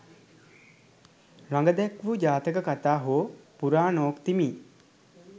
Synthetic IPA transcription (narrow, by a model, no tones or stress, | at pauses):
ɾaŋɡəd̪ɛkʋud͡ʒaːt̪əkəkat̪aːɦoːpuɾaːnoːkt̪imiː